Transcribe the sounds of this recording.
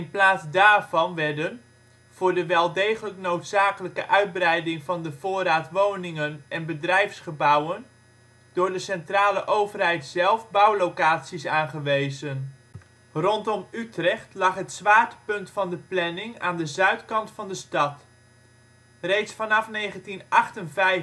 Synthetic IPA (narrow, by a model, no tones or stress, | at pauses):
ɪnplaːtzdaːɹvɑnʋɛɹdən | v̥ʊːɹdəʋɛlˠdejχələknowtsaːkələkəʔœɥd̚brɛjdɪŋvɑndəv̥ʊːraːtʋownɪŋənʔɛnbədrɛjfsχəbʌwən | d̥ʊːɹdəsɛntraːləʔowvərɦɛjtsɛlˠvbʌwlowkaːtsisaːnχəʋejzən | rɔntɔmytrɛχtlɑχɦətsʋaːɹtəpɵntfɑndəplɛnɪŋaːndəzœɥtkɑntfɑndəstɑt | rejtsfɑnɑfnejχəntinʔɑχtənvɛj